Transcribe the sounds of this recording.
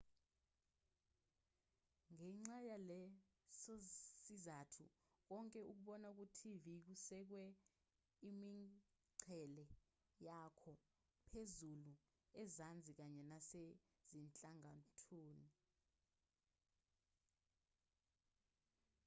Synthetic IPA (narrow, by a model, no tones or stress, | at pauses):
ŋɛŋ͡ǁajalɛ | sosizatʰṵ | k̬ɔŋkʼɛuk̬uɓɔnauk̬utʰivik̬usɛk̬wɛ | imi | ǀʰɛlɛ | jakʰɔ | pʰezulu | ɛzand͡zʱik̬aɲɛnase | zint͡ɬʼaŋatʰuːni